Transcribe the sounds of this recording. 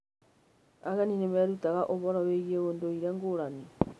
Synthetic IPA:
a̰ɣɛninemɛɾutaɣaʔoβɔɾaweɣieondoiɾɛŋɡoɾani

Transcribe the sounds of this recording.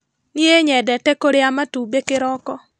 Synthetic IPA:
nieɲɛdɛtɛkoɾeamatubekɪɾɔkɔ

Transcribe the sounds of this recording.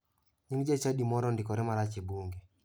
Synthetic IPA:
ɲiŋɡd͡ʒet͡ʃaɗimɔɾɔndikɔɾɛmaɾat͡ʃibuŋɡɛ

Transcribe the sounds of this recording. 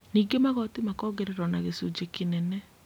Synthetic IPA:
niːɡemaɣɔtimakɔɡeɾeɾɔnaɣesud͡ʒekinɛnɛ

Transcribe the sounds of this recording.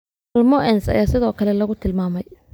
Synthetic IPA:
ɐlmɔʔɛnsɐ̰jaːsɪðɔːkʰɐlɛlɐɣʊt̪ʰɪlmaːmɛj

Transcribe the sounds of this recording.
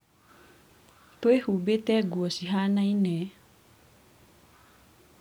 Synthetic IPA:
t̪oehubet̪ɛɡuasiɦanainɛ

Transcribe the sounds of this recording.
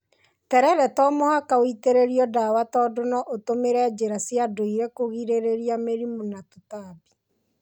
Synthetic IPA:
tɛɾɛɾɛtɔmohakaoiteɾeɾiɔdawatɔdonɔʔotomeɾɛd͡ʒeɾasjadoiɾekoɣiɾeɾeɾiameɾimonatutaːbi̥

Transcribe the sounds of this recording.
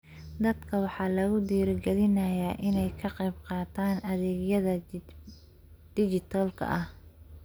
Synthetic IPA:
d̪ɐd̪kʰɐwɑħɑːlɐɣʊd̪iːɾɡɛlɪnɐjaːʔɪnɛjkʰɐqɛjbqɑːt̪ʰaːnɐðɛːɡjɐðɐ | d̪̥ɪd͡ʒɪt̪ʰɐlkʰɐ̰ʔɐh

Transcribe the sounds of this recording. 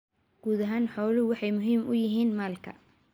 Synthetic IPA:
ɡ̥uːðɐɦaːnħɔːlɪwɑħɑjmʊɦiːmʊjɪɦiːnmaːlkʰɐ̰

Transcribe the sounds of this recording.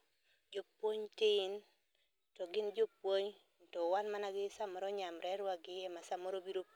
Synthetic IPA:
d͡ʒopwoɲtɪn | tɔɡɪnd͡ʒopwoɲ | ntɔwanmanaɡɪsamɔɾɔɲamɾɛɾwaɡɪjɛmasamoɾobiɾo

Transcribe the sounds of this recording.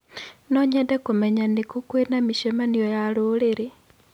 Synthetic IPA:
noɲedekumeɲanikukwenamiʃemanijojaluleɾe

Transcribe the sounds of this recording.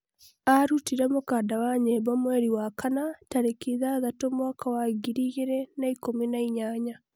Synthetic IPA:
aɾutiɾɛmokaːdawaɲeβɔmwɛɾiwakanataɾekiðaːðatomwakʰawaɡiɾiɣeɾɛnaikominaiɲaːɲa

